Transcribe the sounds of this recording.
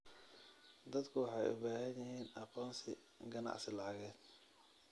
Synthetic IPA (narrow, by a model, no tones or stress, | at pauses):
d̪ɐd̪kʰʊwɑħɑjʊ̰baːɦɐnjɪɦiːnɑqɔːnsɪ | ɡɐnɑ̰ʕsɪlɑʕɣɛːd̪̚